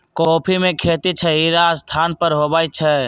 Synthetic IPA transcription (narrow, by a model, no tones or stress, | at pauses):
koːpʰimekʰet̪it͡ʃʰɛiɾast̪ʰanpəɾɦobajt͡ʃʰɛ